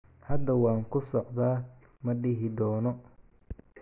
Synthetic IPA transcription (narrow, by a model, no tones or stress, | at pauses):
hɐd̪ɐwaːŋkʊsɔqd̪aː | mɐɗɪɦɪd̪ɔːnɔ